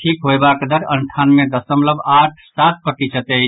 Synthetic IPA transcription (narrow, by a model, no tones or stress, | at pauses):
ʈʰikɦojbakd̪əɾənʈʰanmẽd̪əsəmləbaʈʰsat̪̚pɾət̪isət̪ɛ